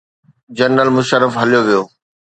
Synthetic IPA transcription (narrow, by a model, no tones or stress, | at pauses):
d͡ʑɐnːəlmʊʃəɾːəfɦɐlijoʋijoː